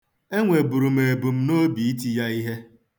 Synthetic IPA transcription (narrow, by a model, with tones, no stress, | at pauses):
e˦ŋʷe˨bu˨ɾu˨m̩˨e˨bu˨m̩˦no˦bi˨i˦t̬i˦ja˦i˦ɦe˦